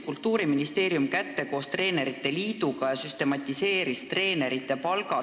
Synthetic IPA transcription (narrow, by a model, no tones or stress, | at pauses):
kult̪ːuːɾiminist̪e̞ːɾjumkæt̪ːe̞ko̞ːst̪re̞ːne̞ɾit̪ːe̞liːd̪̥uɡ̥ɑjɑsyst̪e̞mɑt̪ʲːˑise̞ːɾist̪re̞ːne̞ɾit̪ːˑepɑlɡ̥ɑ